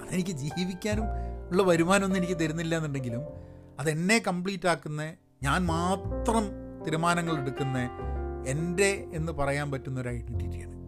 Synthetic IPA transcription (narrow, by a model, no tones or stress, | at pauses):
ɐðenikʲːɨd͡ʑiːʋikʲːaːnumuɭːɐʋɐɾumaːno̞nːe̞nikʲːɨt̪̬ɐɾunːilːɐenːuɳɖeŋɡilum | ɐðe̞nːe̞kɐmpɭiːtːaːkːunːɐ | ɲaːnmaːt̪rɐmt̪iɾumaːnɐŋːɐɭe̞ɽukːunːɐende̞enːɨpɐrɐjaːnpɐtːunːɐo̞ɾajiitːitːukja̰ːɳɨ